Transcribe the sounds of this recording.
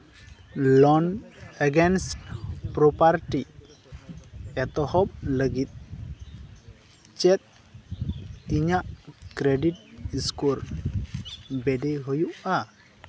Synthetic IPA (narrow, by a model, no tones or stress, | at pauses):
lɔnəɡɛnsʈpɾɔpaɾʈi | ɛt̪ɔhɔp̚ləɡit̪̚ | t͡ʃɛt̪̚ | iɲaʔkɾɛɖiʈ̚iskuɾ | bɛɖɛɦujuʔa